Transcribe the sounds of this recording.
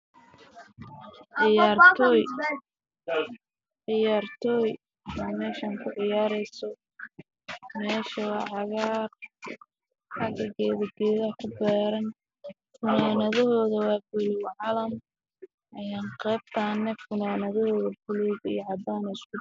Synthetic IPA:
ʕɪjaːrʰj | ʕɪjaːrt̪ʰɔːj | ɛmɛːʃaŋkʰʊʕɪjaːɾɛjsɔ | mɛːʃɐwɑʕɑɣaːr | ħɑɡɐɡɛːðɐɡɛːðɐkʰʊbɛːɾɐn | fʊnaːnɐðɐɦɔːðɐwɑːbʊlɪwʕɑlɐm | ʔɐjaːnqɛːb̚t̪ʰaːnɛfʊnaːnɐðɔhɔːðɐfʊlɛðɐḭʕɑd̪aːnɛɪskʊ

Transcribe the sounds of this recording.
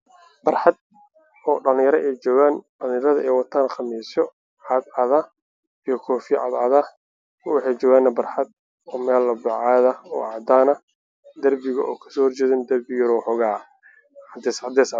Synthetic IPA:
b̥ɐrħɑd̪̚ | ɔːɖɐlɪ̃jɐɾɐʔɛjt͡ʃɔːɣaːnɖɐlɪ̃jɐɾɐðɐʔɛːjwɑt̪ʰaːnχɑmiːsɔ | ʕɑd̪ɐðɐ | ijɔkʰɔːfɪjʕɑ̰d̪ʕɑðɐ | wɑħɑjt͡ʃɔːɣaːnːɐbɐrħɑd̪̚ | ɔːmɛːlːɐbɑʕɑːðɐɔːʕɑd̪aːnɐ | d̪ɐrbɪɣɐʔɔːkʰɐ̥sɔːhɔrt͡ʃɛːðɪnd̪ɐrbɪjɐɾɔːħɔɣaː | d̪ɛsʕɑd̪ɛs

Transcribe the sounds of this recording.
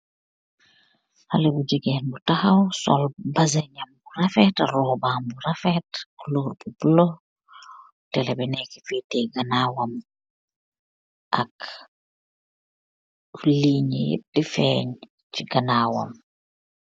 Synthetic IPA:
hɐlɛbuɟəɡɛːnbutɐxɐwsɔ̰lbɐzɛɲɐmburɐfɛtrɔːbaːmbuɾɐfɛtkloːrbubulo | tɛlɛbɛnɛki̥fɛtɛɡɐnaːwɐm | ʔɐk | liːɲəjḭp̚difɛːɲ | ciɡɐnaːwɐ̰m

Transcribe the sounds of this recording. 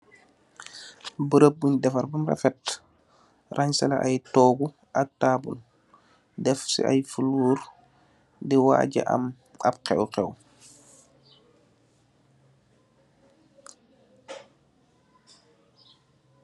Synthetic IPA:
bəɾəb̚ːuɲdɛfɐɾbɐmrɛ̰fɛt | raɲsɛla̰ʔajtɔːɡu | ak̚taːbṵl | dɛfsḭa̰jfuluːɾ | diwa̰ːɟɛ̰ʔa̰m | ap̚qɛ̰wqɛw

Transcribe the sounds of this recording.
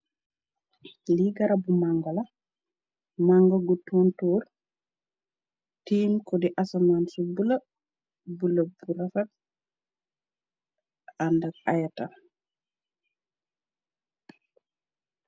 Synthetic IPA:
liɡaɾabumaŋɡɔla | maŋɡɔɡɔtɔntɔːɾ | tiːmkɔdiʔasamansɔbula | bulabuɾafat̚ | andaɡ̚ajata

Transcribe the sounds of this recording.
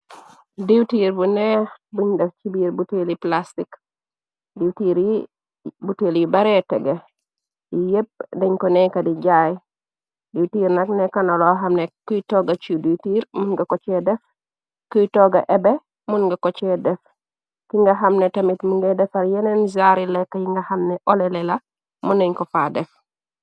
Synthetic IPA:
diwtiɾbunɛbuɲdɛft͡ʃibiːɾbuteliplastik | diwtiːɾi | buteljibaɾɛtɛ̰ɡe | ijep̚dɛɲkɔnɛkadiɟaj | ditiːɾnaknekanoloɦamnekutoɡat͡ʃuditiːɾmunɡakot͡ʃedɛf | kujtɔɡa̰ʔebe | munɡakot͡ʃɛdɛf | kiŋɡaɦamnetamitmuŋɡedɛfaɾjenenzaɾilekːajiŋɡahamneʔolelela | muneɲkofadɛf

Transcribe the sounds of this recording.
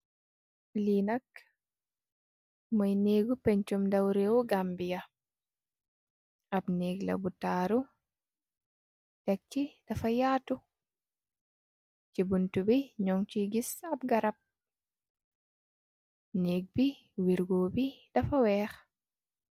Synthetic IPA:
linak̚ | majneːɡupɛɲt͡ʃumdawɾewɔɡambija | abneːɡla̰butaːɾu | tɛk̚t͡ʃid̥ɐfajaːtu | t͡ʃibuntubiɲɔŋt͡ʃiɡisabɡaɾap̚ | neːɡ̚bi | wiɾɡoːbid̥ɐfawɛːx

